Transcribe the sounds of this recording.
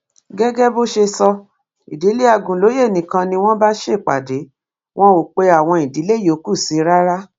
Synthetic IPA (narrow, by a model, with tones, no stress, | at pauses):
ɡɛ˦ɡɛ˦bo˦ʃe˧sɔ˧ | i˨di˨˦le˦a˧˨ɡũ˨lo˨˦je˦˨nĩ˨kã˧nĩ˧w̃ɔ̃˦ba˦ʃe˦˨k͡pa̰˨de˨˦ | w̃ɔ̃˦o˨k͡pe˧a˨w̃ɔ̃˧i˨di˨˦le˦jo˨˦ku˦˨si˨˧ɾa˦ɾa˦